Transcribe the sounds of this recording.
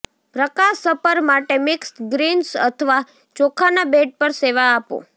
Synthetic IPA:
pɾəkaʃːəpəɾmaʈemɪkstɡɾinsə̰t̪ʰəʋa | t͡ʃɔkʰanabeʈ̚pəɾseʋaːpo̰

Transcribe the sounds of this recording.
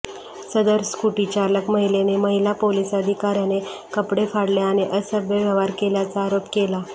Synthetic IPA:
səd̪əɾskuʈit͡ɕaləkməɦileneməɦilapoliːsəd̪ʱikaɾjanekəpɽefaɽleaɽ̃iʔəsəbjəʋjəʋaɾkeljat͡saːɾopkela

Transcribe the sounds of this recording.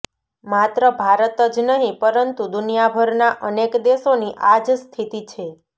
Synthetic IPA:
mat̪ɾəbʱaɾət̪əd͡ʒnəɦĩpəɾənt̪ud̪unijabʱəɾnaʔənekd̪eʃoniʔad͡ʒst̪ʰit̪it͡ʃʰe

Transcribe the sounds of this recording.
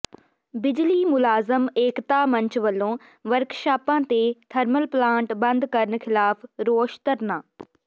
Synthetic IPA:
bɪd͡ʑlimʊlaːzəmeːkt̪amɐ̃ɲt͡ɕʋɐlõː | ʋɐɾkʃaːpãːt̪et̪ʰɐɾməlplãːɳʈbɐ̃nd̪kɐɾənə̆xɪlaːfɾoːʃt̪əɾnãː

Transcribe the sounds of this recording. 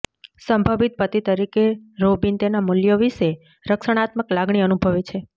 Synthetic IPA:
səmbʱəʋit̪̚pət̪it̪əɾikeɾobint̪enamuljoʋiʃe | ɾəkʃəɽ̃at̪məklaɡɳ̃iənubʱəʋet͡ʃʰe

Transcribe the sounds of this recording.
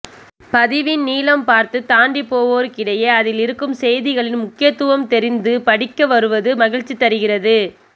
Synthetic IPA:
pɐðɪʋɪnniːlɐmpaːɾt̪ɯt̪aːɳɖipoːʋoːɾkɪɽɐjeːɐðɪlɪɾɯkːɯmsɛjðɪɣɐɭɪnmʊkːɪjɐt̪ːɯʋɐmt̪ɛɾɪnd̪ɯpɐɽɪkːɐʋɐɾɯʋɐðɯmɐɣɪɻt͡ʃːit̪ːɐɾɯɣɪrɐðɯ

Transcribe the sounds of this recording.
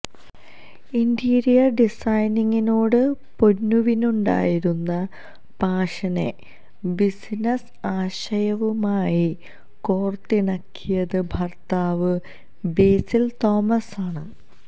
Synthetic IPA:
indiːɾijɐɖisɐjniŋːino̞ːɽɨpo̞nːuʋinuɳɖa̰ːjiɾunːɐ | b̥ʱaːʂɐne̞ | bisnɐs | aːɕɐjɐʋumaːji | ko̞ːrt̪ːiɳɐkʰːijɐðɨbʱɐrt̪aːʋɨ | beːsilt̪o̞ːmɐsaːɳɨ̰

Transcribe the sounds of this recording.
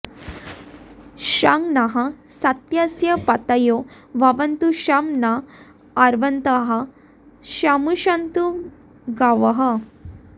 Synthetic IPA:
ɕaŋɡnaɦasɐt̪jasjɐpɐt̪ɐjo | ʋɐʋɐnt̪uɕamnaː | ɾʋɐnt̪ɐɦɐ | ɕamuɕant̪u | ɡaʋɐɦə

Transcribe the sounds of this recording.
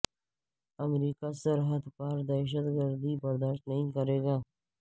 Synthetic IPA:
əmɾiːkasəɾɦəd̪pəɾd̪ɛːʃ̬ət̪ɡəɾd̪iːbəɾd̪aːʃtnəɦĩkəɾeːɡaː

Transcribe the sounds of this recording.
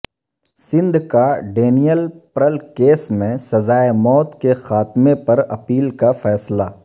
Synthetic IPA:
sɪ̃nd̪ʱkaɖeːnijəlpɾəlkeːsmẽsɐzaːemɔːt̪kexaːt̪mẽpɐɾɐ̰piːlkafɛːsla

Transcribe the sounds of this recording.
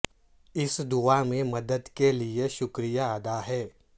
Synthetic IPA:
ɪsd̪uamẽmɐd̪əd̪kelieʃʊkɾijaəd̪aɦɛː

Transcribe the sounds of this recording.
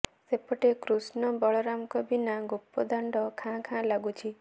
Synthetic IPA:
sepɔʈekɾusnɔbɔɭɔɾamkɔbinaɡupːɔd̪aɳɖɔkʰãkʰãlaɡut͡ʃʰi

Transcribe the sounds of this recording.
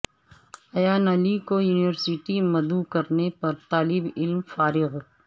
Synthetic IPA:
ɐjaːnɐlikojuːniʋəɾsiʈimɐd̪ukɐɾnepɐɾt̪aːlɪbɪlmfaːɾɪɣ

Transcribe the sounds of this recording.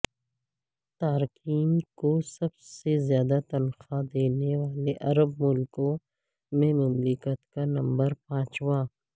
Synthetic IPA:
t̪aːɾkiːmkosɐbsezjaːd̪at̪ɐnxad̪eːnewaːleʔɐɾəbmʊlkõ | mẽmʊmlɪkət̪kanɐ̃mbəɾpãːt͡ʃwaː

